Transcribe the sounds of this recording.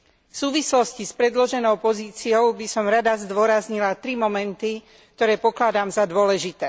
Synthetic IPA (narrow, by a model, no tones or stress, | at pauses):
fsuːʋislɔscispɾɛd̪lɔʒɛnɔʊpɔziːt͡siɔʊbisɔmɾad̪azd̪ʊɔɾazɲilat̪ɾimɔmɛnt̪i | k̚t̪ɔɾɛːpɔklad̪aːmzad̪ʊɔlɛʒit̪ɛː